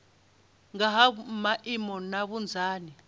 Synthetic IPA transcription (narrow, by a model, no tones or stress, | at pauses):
ŋaɦamaʔimɔnaβund͡zʱaːni